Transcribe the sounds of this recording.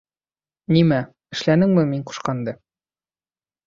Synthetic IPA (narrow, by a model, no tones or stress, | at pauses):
nimæ | ɘ̆ʃlænɘŋmɘmiɴqu̥ʃqɑnd̪ɤ